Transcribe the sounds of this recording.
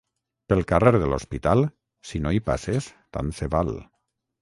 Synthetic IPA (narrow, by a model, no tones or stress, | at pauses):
pelˠkareɾðəlospit̪alˠ | sinoipa̰sest̪a̰nseβal